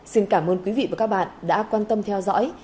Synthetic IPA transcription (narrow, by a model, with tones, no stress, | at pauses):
si˧nkaː˧˩mʔəː˧nkwi˨˦vḭ˧˨vaː˨˩kaː˦˥k̚ɓa̰ː˧˨nɗa̰ː˧˥kwaː˧nt̪ə˧mt̪ʰɛ˧wzɔ̰˧˥j